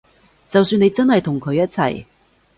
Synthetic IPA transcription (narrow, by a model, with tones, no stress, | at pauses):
t͡sɐ˨wsyː˧ne˨˧jt͡sɐ˥nɦɐ˨jt̪ʰʊ˨˩ŋkʰɵ˨˧ɥjɐ˥t̚t͡sʰɐ̰˨˩j